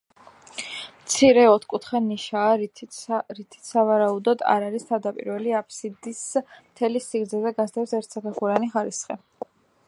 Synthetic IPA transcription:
mt̪sʰiɾɛɔt̪ʰkʼut̪ʰχɛnːiʃaːɾʰɾit̪ʰi̥t̪ʰsavaɾaud̪ɔd̪a̰ɾaɾist̪ʰavd̪apʼḭɾvɛliapʰsid̪ismt̪ʰɛlisiɡɾd̪zɛzɛɡasd̪ɛpsɛɾt̪ʰsakaχuɾaniχaɾisχɛ

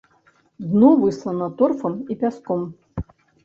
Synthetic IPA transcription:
d̪nɔvɨslˠɐnɐt̪ɔrfɐmipʲaskɔm

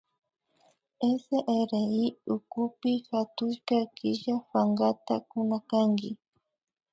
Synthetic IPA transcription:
eseʔeɾeiʊkʊpɪxat̪ʊʃkakɪʃawaŋɡat̪a̰kʊnakaŋɡɪ

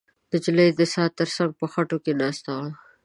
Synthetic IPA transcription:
d̪̥əd͡ʒɪləjd̪əsɑːt̪ːəɾsaŋɡ̚pəxaʈokenɑːst̪awla

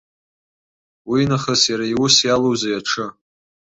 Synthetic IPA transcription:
winaχasjaɾajwʊsjalowzajaʈ͡ʂʰɨ

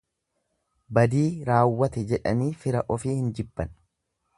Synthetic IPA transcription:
bɐd̪iːɾaːwːɐt̪ɛd͡ʒɛᶑɐ̰niːfɪɾɐʔɔfiːhɪnd͡ʒɪbːɐn

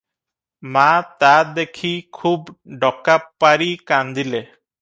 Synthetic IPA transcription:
mat̪ad̪ekʰikʰubɖɔkapːaɾikand̪ile

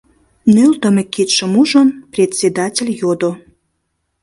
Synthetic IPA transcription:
nølt̪ə̆mekit̪ʃəmuʒəmprʲet̪ʲsʲed̪ɑtʲelʲjod̪o

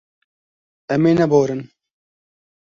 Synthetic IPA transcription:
ɛmeːnɛboːɾɨn

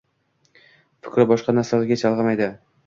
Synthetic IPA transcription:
fɪ̥kʲɾɪbɒʃqɑnaɾsalaɾɡʲat͡ʃʰalˠʁɑmajd̪ɪ

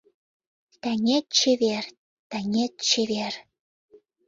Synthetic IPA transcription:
t̪æŋet̪̚t͡ɕeβer | t̪æŋʲet̪̚t͡ɕeβer

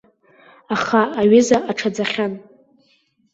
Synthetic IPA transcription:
aχaːɥɪzaʔaʈ͡ʂʰad͡zaχʲan

